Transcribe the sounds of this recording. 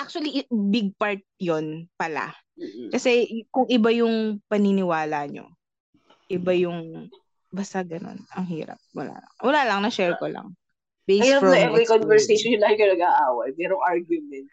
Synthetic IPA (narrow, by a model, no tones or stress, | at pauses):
ʔak̚t͡ʃʊwɐlibɪɡ̚paɹt̪̚jonpɐla̰ | kɐsɛkʊŋʔɪbajʊŋpɐninɪwaːlɐɲo̰ | ʔɪbajʊŋ | bɐst̪aɡɐno̞̰nɐŋɦiːɾɐ̰p̚wɐ̰la̰ːlɐ̰ŋwɐlaːlɐŋnɐʃɛɹkolɐ̰ŋ | bejɐnɐnɐɛvɛjkonvɛɹsejʃonʊlaːhɪkɐnɐɡaʔaːwɐjmɛːɾoŋʔaɹɡjʊmɛnt̪̚